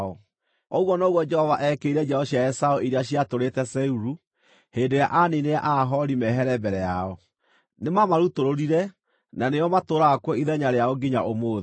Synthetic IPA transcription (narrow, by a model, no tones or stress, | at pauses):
ɔ | ɔɣwɔnoːɣwɔd͡ʒɛhɔvaʔɛkeiɾɛd͡ʒɛhɔɕiajɛsaoiɾeaɕiatoɾetɛsɛuɾu | heːndoja̰ʔanineaʔaɦɔɾimɛɦɛɾɛbɛɾɛjaɔ | nemamaɾutoɾoɾiɾɛ | naneɔmatoɾaːkwɔiðɛɲaɾeaoɡiɲaʔomoːðe